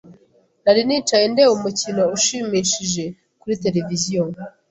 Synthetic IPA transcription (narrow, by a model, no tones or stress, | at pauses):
naɾiniːt͡ʃajendewumucino̞uʃiːmiʃiʒe̞ | kuɾite̞ɾe̞vizijo